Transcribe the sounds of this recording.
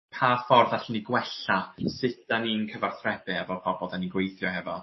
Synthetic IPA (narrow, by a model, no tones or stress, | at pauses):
pʰafɔrðaɬniɡwɛɬasɪt̚d̥aninkʰəvarθrɛbɨavɔpʰɔbɔdaninɡwejθjɔɦɛvɔ